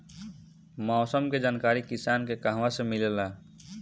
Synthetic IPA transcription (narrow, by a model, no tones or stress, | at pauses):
mɔːsəmked͡ʒaːnkaːɾikisaːnkekaɦʋasẽmilela